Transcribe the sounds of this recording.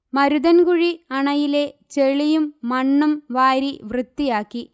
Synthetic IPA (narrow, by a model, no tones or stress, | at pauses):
mɐɾuðɐnkuɻiɐɳɐjile̞t͡ɕeɭijumːɐɳːɐmʋaːɾiʋrɨt̪ːijaːkːi